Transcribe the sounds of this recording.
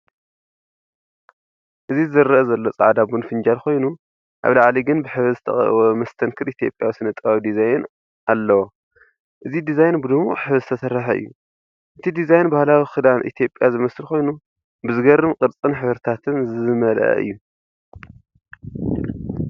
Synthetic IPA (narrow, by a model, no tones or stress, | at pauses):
ʔɨzizɨzɐɾːɐʔɐzɐlːo̞t͡sʼaʕd̪abunfɨnd͡ʒalkʰo̞jnu | ʔa̰βlaʕliɡɨnbɨħɨβɨzɨt̪ʰɐ̰χʼwomɐst̪ʰɐnkʰɨɾit̪ʰijo̞pʼjawisɨnɐt̪ʼɨβawid̪izajn | ʔalːɐwo | ʔɨzid̪izajnbɨd̪ɨmuħɨβɨzɨt̪ʰɐsɐɾːɐħɐʔɨ̰jːu | ʔɨt̪ʰid̪izajnbahlawixɨd̪anʔḭt̪ʰijo̞pʼjazɨmɐsɨlkʰo̞jnu | bɨzɨɡɐɾɨmqʼɨɾt͡sʼɨnħɨβɾɨt̪ʰat̪ʰɨnzɨmɐlɐ̰ʔɐ̰ʔɨ̰jːu